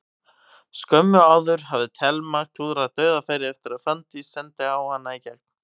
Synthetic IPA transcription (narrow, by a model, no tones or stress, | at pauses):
skœmːʏaːwðʏɾ̥havðɪt̪ʰɛlmacʰuːðɾat̪œːɥðafajɾɪɛft̪ɪɾaðfant̪isɛnt̪ɪawhanːaicɛkpn